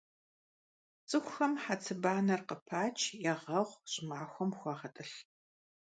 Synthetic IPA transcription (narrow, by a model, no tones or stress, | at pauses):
t͡sʼɨxʷʊxɐmħat͡sʰɨbaːnɐrqəpʰaːt͡ʃʰjɛʁɐʁʷɕʼɪmaːxʷɔmxʷɑːʁɐtʼɨɬ